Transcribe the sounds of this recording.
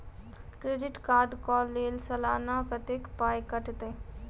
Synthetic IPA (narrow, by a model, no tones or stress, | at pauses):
kɾeɖɪʈkaːɾɖkɔːlːeːlsɐlaːnakət̪ekpaːjkəʈt̪e